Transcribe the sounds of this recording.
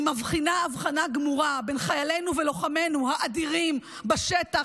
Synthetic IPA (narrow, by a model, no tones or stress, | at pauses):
mavχinaːvχanaɡmuʁabenχajale̞nuvelo̞χame̞nuhaʔad̪iʁim | baʃet̪a